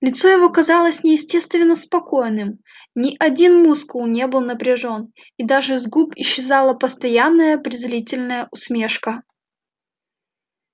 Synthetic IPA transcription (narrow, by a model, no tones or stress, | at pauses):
lʲɪt̪so̞jɪvo̞kɐzalˠəsʲnʲɪjɪsʲtʲe̞st̪vʲɪnːəspɐko̞jnɨm | nʲɪʔɐdʲinmuskʊlˠnʲebɨlˠnəpɾʲɪʐo̞n | id̪aʐɨzɡupɪɕːɪzalˠəpəst̪ɐjanːəjəpɾʲɪzlʲitʲɪlʲnəjəʔʊsmʲe̞ʂkə